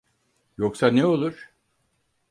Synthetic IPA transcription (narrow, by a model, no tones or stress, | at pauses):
joksaneo̞lˠuɾ̥